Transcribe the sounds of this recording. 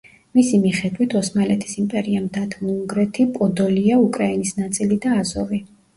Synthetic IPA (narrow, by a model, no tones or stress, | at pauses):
misimiχɛd̪wit̪ʰɔsmalɛt̪ʰi̥simpʼɛɾiamd̪at̪ʰmuŋɡɾɛt̪ʰipʼɔd̪ɔliaukʼɾainisnat̪sʼilid̪aːzɔvi